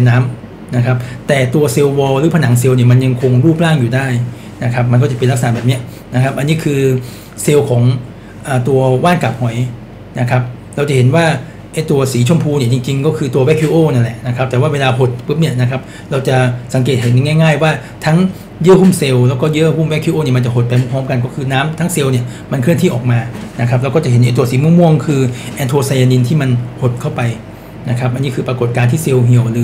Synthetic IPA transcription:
mnaː˦˥m | na˦˥kʰa˦˥p̚t̪ɛː˨˩t̪u˧ɐse˧wwɔː˧ɾɯː˩˦pʰa˧na˩˦ŋs̬e˧wni˧˥˩ma˧nja˧ŋkʰo˧ŋɾuː˥˩p̚laː˥˩ŋjuː˨˩daː˥˩j | na˦˥kʰa˦˥p̚ma˧nkɔː˥˩t͡ɕa˨˩pe˧nla˥k̚sana˨˩bɛː˨˩p̚ni˦˥ɐʔ | na˦˥kʰa˦˥p̚ʔa˧nːi˦˥˨kʰɯː˧ | se˧wkʰɔː˩˦ŋ | ʔaː˨˩t̪u˧ɐwaː˥˩nka˨˩p̚hɔ˨˩j | na˦˥kʰa˦˥p̚ | ɾa˧wt͡ɕa˨˩he˩˦nwaː˥˩ | ʔa˥˩jt̪u˧ɐsiː˩˦t͡ɕʰo˧˥˨mpʰuː˧ni˧˥˩t͡ɕi˧ŋt͡ɕi˧ŋkɔː˥˩kʰɯː˧t̪u˧ɐwɛ˦˥kʰuː˧˥ʔoː˥˩na˥˩nlɛ˨˩ʔna˦˥kʰa˦˥p̚t̪ɛː˨˩waː˥˩weː˧laː˧pʰo˨˩t̪̚pʰɯ˦˥p̚ni˥˩ɐna˦˥kʰa˦˥p̚ | ɾa˧wt͡ɕa˨˩sa˩˦ŋk̬eː˨˩t̪̚he˨˩˦n˧˩ŋaː˥˩jŋaː˥˩jwaː˥˩ | t̪ʰa˦˥ŋ | jɯ˦˥˨huː˥˩mse˧wlɛː˦˥wkɔː˥˩jɯ˦˥hu˥˩mwɛ˥˩kʰu˧˥ʔoː˥˩ni˥˩˨ma˧nt͡ɕa˨˩ɦo˨˩t̪̚pa˧jmu˧˥˩pʰɔː˦˥mka˧nkɔː˥˩kʰɯː˧naː˦˥mt̪ʰa˦˥ŋse˧wni˥˩ | ma˧nkʰɯ˥˩nt̪ʰiː˥˩ʔɔː˨˩k̚maː˧na˦˥kʰa˦˥p̚ɾa˧wkɔ˥˩t͡ɕa˨˩ɦe˩˦nʔe˧˥t̪̬ːu˧ɐsiː˩˦mu˧˥˨mu˧əŋkʰɯː˧ʔɛː˧nt̪ʰoː˧sa˧jaː˧ni˧nt̪ʰiː˥˩ma˧nho˨˩t̪̚kʰa˥˩wpa˧j | na˦˥kʰa˦˥p̚ʔa˧niː˦˥kʰɯː˧pɾa˧ko˨˩t̪̚kaː˧nt̪ʰiː˥˩se˧wɦi˧˩ə˩wlɯː˧˦

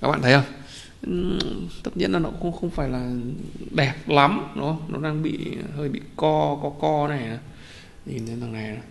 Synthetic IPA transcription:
kaː˦k̚ɓa̰ː˧˨t̪ʰːhə˧w | ɨ˨t̪ʰə˧˩ɲḭ˧ənlaː˨˩nɔ˨˦kxŋ͡mxə˧wŋ͡mfaː˧˩jlaː˨˩ɗɛ˨˩p̚la˨˦mno̰˨˦nɔ̰˨˦aː˧ŋɓḭ˧˨həː˧jɓḭ˧˨kɔ˧kɔ˨˦kɔ˧nɛ˨˩a˨˩ | ɲi˨˩nə˨˦aː˨˩ŋa˨˩ja˨˩

